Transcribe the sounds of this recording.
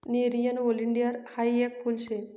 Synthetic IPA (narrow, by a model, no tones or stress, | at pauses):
niɾijɐnʋoliɳɖijɐɾhajekːulʃe